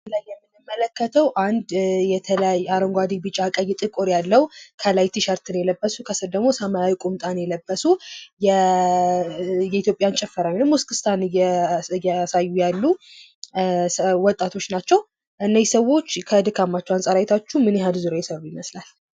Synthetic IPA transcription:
lajːɛmːɨnːɨmːələkːət̪ʰəwʔand̪ːɛt̪ʰələjajaɾəŋɡʷad̪ibɨt͡ʃʼakʼəjːɛt̪ʼɨkʼoɾjalːəwkʰəlajt̪ʰiʃəɾt̪ʰɨnjɛləbːəsukʰəsɨɾd̪əɡmo̞səmajawikʼumt̪ʼanjɛləbːəsujɛ | jɛit̪jo̞pʼːjant͡ʃʼɛfːəɾawinəmːuskʰɨ̥st̪ʰanjɛjɛsajːujalːu | wɔt̪ʼːat̪ʰo̞t͡ʃːnat͡ʃːɛw | ʔɨnːajsəwo̞t͡ʃːkʰəd̪ɨkʰamːat͡ʃːɛwansʼaɾajt̪ʰat͡ʃːumɨnjɛɦad̪zuɾojɛsəɾujiməslal

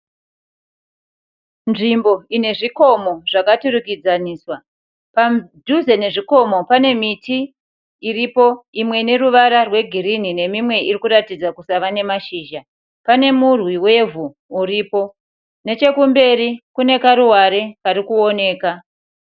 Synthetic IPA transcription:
nʐimbo̞ine̞ʐiko̞mo̞ʐ̥akaturukid͡zaniːswa | padʱuze̞ne̞ʐiko̞mo̞pane̞mitiː | ripo̞imwe̞ne̞ruʋaɾarwe̞ɡʱiɾinine̞mimwe̞irikuɾatid͡zakusaʋane̞maʃiːʒa | pane̞murwiwe̞vuː | ripo̞ | ne̞t͡ʃe̞kumbe̞rikune̞kaɾuwaɾe̞kaɾikuo̞ne̞ːka

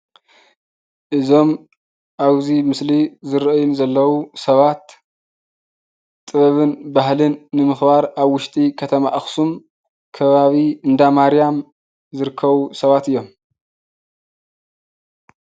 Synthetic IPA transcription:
ʔɨzo̞m | ʔaβzimɨslizɨɾɨʔɨjɪnzɐlːɐwusɐβat̪ | t̪ʼːɨβɐβɨnbahlɨnːɨmɨxbaɾaβwʊʃt̪ʼikʰɐt̪ʰɐmaʔɨxsum | kʰɐβaβiɨnd̪amaɾijam | zɨɾɨkʰːɐβusɐβat̪ɨjːo̞m

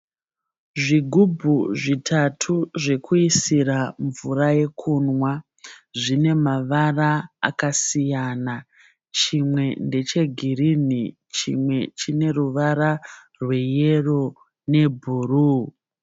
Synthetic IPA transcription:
ʐiɡʱubʱuʐitʰatʰuʐe̞kʰuisiɾaɱvuraje̞kʰunwa | ʐine̞maʋaraa̰kasijana | t͡ʃimwe̞nde̞t͡ʃe̞ɡʱirini | t͡ʃḭmwe̞t͡ʃine̞ruʋaɾa | rwe̞je̞ro̞ | ne̞bʱuruː

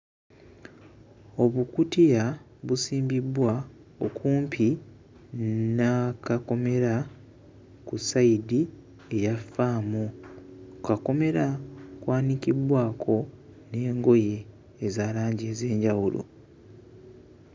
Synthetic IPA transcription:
o̞βukutija | βusiːmbibwa | okʰuːmpʰi | nakako̞me̞ɾa | kusaidi | e̞jafaːmu | okako̞me̞ɾakwaːnikibwaːkʰo̞ | ne̞ːŋɡo̞je̞ː | zaːlaːɲɟeːze̞ːɲɟawulo̰

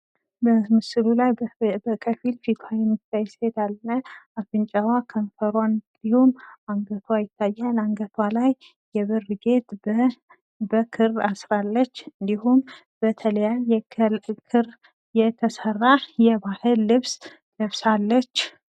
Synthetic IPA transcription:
bəmɨsɨlulajbəkʰəfilfit̪ʰajɛmːɨt̪ʰːajɪshed̪alːəafɨnt͡ʃʼəwakʰəɱfəɾwannd̪̥ihumaŋɡət̪ʰwajɪt̪ʰːajːalaŋɡət̪ʰwalajː | ɛβɨrɡe̞t̪ | bəkʰɨrasɾalːət͡ʃːɨnd̪ihum | bət̪ʰələjajɛkʰɨr | jɛt̪ʰəsərːajɛbahɨlːɨβs | d̪əβsalːət͡ʃː

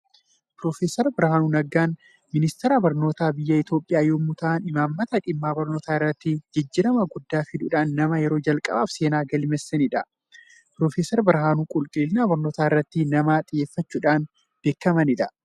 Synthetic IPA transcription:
pɾoːfeːsɛɾbɪɾhaːnuːnɐɡːaːn | mɪnɪst̪ɛɾaːbɐɾno̞ːt̪aːbɪjːɐɪt̪jo̞ːpʼːɪjaːjoːmːʊt̪ʰaʔːnɪmaːmːɐt̪ɐᶑɪmːaːbɐɾno̞ːt̪aːɪrːɐt̪ːɪd͡ʒɪd͡ʒːɪɾɐmɐɡʊd̪ːaːfɪd̪ʊᶑaːnːɐmɐjɛɾoːd͡ʒɐlkʼɐ̰ba̰ːfseːnaːɡɐlɪmɛsːɛnɪᶑɐ | pɾo̞ːfeːsɐɾbɪɾɦaːnuːkʼʊlkʼɪlɪnaːbɐɾno̞ːt̪aːɪrːɐt̪ːɪnɐmaːt̪ʼɪjeːfːɐt͡ʃːuːᶑaːn | b̥e̞ːkːɐmɐnɪᶑ̪ɐ

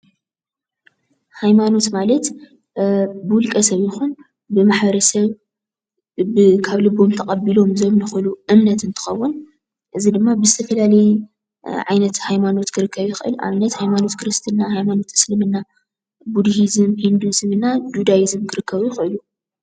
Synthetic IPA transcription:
hajmano̞t̪malɐt̪ | bɨwʊlkʼɐsɐβjɪxun | bɨmaħbɐɾɐsɐβ | ɨkʰaβlɨbo̞mt̪ʰɐkʼɐbilo̞mzomnɨxɨluʔɨmnɐt̪ɨnt̪ʰɨ̥xɐwːʊn | ʔɨzid̪ɨmːabɨzɨt̪ʰɐfɐlalɐj | ʕajnɐt̪hajmano̞t̪kʰɨɾɨkʰːɐβjɪxɨʔɨ̰luʔa̰βnɐt̪hajmano̞t̪kʰɨɾɨst̪ʰɨnːahajmano̞t̪ɨslɨmɨnːa | bud̪hizɨmhind̪uzɨmɨnːad̪ud̪ajizɨmkʰɨɾɨkːɐβujɪxɨɨlu

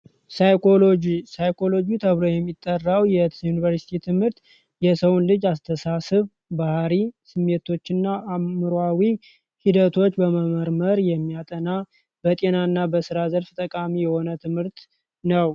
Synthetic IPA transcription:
sajkʰolod͡ʒisajkʰo̞lo̞d͡ʒut̪ʰəβɾojɛmːit̪ʼːərːawjɛjunivəɾsi̥t̪ʰit̪ʰɨmhɨɾt̪ | jɛsəwunlɨd͡ʒast̪ʰəsasɨβ | bahaɾisɨmːet̪ʰo̞t͡ʃːɪnːaamɨɾoawi | hid̪ət̪ʰo̞t͡ʃːbəməməɾməɾjɛmːijat̪ʼəna | bət̪ʼe̞naɨnːabəsɨɾazəlft̪ʼəkʼamijɛho̞nət̪ʰɨmhɨɾt̪ | nəw

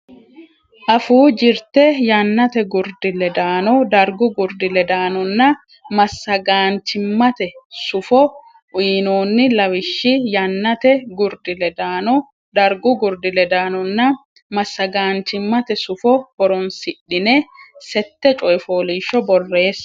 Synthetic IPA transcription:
ʔɐfuːd͡ʒɪɾt̪ɛjanːɐt̪ɛɡʊɾd̪ɪlɛd̪aːnɔd̪ɐɾɡʊɡʊɾd̪ɪlɛd̪aːnɔnːɐ | mɐsːɐɡaːnt͡ʃɪmːɐt̪ɛsʊfɔ | ʔʊjiːnoːnːɪlɐwɪʃːɪjanːɐt̪ɛɡʊɾd̪ɪlɛd̪aːnɔ | d̪ɐɾɡʊɡʊɾd̪ɪlɛd̪aːnɔnːɐ | mɐsːɐɡaːnt͡ʃɪmːɐt̪ɛsʊfɔhɔɾɔnsɪɗːɪnesɛt̪ːɛt͡ʃʼɔjɪfoːliːʃɔbɔrːe̞ːs

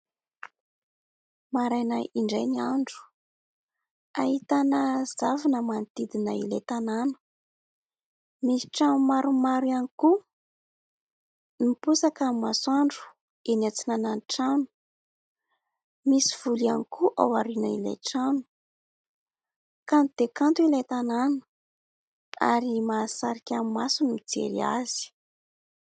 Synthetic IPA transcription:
maɾajna̰jʔiɳɖ͡ʐejniaɳɖ͡ʐu̥ | aɦit̪anəzavanəmanit̪id̪inəḭlet̪ananu̥ | misi̥ʈ͡ʂanumaɾumaɾianiku | nipusakəmasaɳɖ͡ʐu̥ | enat͡sinananʈ͡ʂanu̥ | misiv̥ulianikuʔa̰waɾinaila̰jʈ͡ʂanu̥ | kant̪ud̪ekant̪uilajt̪ananu̥ | a̰ɾimaːsaɾikʲammasunmid͡zḛɾḭa̰z̥i̥

